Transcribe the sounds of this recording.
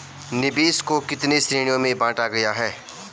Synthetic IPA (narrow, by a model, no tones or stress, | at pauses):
nɪbiːskokɪt̪nesɾiːɽ̃ijõmẽbãːʈaɡɐjaɦɛː